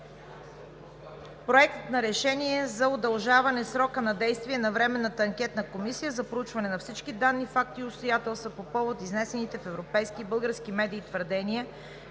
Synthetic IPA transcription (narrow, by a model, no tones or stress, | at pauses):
pɾoɛk̚t̪ət̪nɐɾɛʃɛniɛzɐod̪ɐlˠʒavɐnɛsɾɔkənɐd̪ɛjst̪viɛnɐvɾɛmɛnːət̪əːŋkʲɛt̪nəkomisijəzɐpɾout͡ʃvɐnɛnɐfsit͡ʃkid̪anːifak̚t̪iʊt̪st̪ojat̪ɛlˠst̪vəpopɔvot̪iznɛsɛnit̪ɛfɛvɾopɛjskiːbɤlˠɡəɾsk̟imɛd̪iːt̪vəɾd̪ɛniə